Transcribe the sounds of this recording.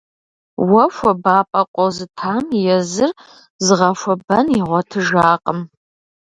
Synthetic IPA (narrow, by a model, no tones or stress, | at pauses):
wɐʃʷɐbaːpʼɐqʷʼɔzɨtʰaːmjɛzɨr | zɨʁɐʃʷɐbɐniʁʷɔtʰɨʒaːqʼəm